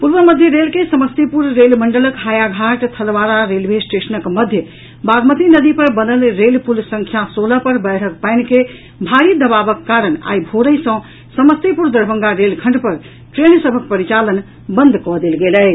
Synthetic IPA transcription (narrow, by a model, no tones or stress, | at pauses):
puɾʋəməd̪ʱjəɾelkesəməst̪epuɾːelməɳɖələkɦajaɡʱaʈt̪ʰəlʋaɾaɾelbʱesʈesənəkməd̪ʱjə | baɡmət̪inəd̪ipəɾbənəlɾelpulsə̃ŋkʰjasoləpəɾbəjɾ̤ək̚paɪnke | bʱaɾid̪əbabəkːaɾəɳa̰jbʱoɾəjsə̃ | səməst̪epuɾd̪əɾbəŋɡaɾelkʰəɳɖpəɾ | ʈɾensəbʱək̚pəɾit͡ʃalən | bənd̪ʱkɔd̪elɡelɛ